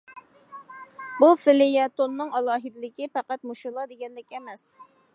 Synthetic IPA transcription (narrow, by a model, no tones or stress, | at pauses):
bufɪlɪjɑt̪onːɨŋɑlˠɑːɦɪd̪ɪlɪkʲipæqæt̪̚muʃʊlˠɑd̪eɡʲɛnlɪkʲɛmɛs